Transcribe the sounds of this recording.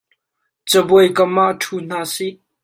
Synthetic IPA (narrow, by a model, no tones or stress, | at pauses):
t͡səbujkəmaʔtʰun̥aːsiʔ